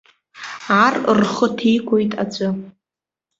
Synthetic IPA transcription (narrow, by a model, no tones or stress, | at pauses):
arrχətʰijkʷʰʼojtʼa̰d͡ʒʷʼɨ